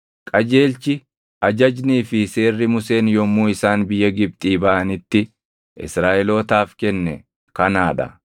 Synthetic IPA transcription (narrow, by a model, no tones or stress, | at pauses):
kʼɐd͡ʒe̞ːlt͡ʃɪ | ʔɐd͡ʒɐd͡ʒniːfɪse̞ːrːɪmʊse̞ːnjɔmːuːɪsaːnbɪjːɐɡɪb̚t̪ʼiːbɐʔɐnɪt̪ːɪ | ʔɪ̰sɾaːʔɛlo̞ːt̪aːfkɛnːɛ̰ | kɐnaːᶑɐ̰